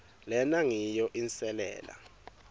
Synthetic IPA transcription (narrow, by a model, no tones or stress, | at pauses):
lɛnaŋijɔʔinsɛlɛ̰ːla̰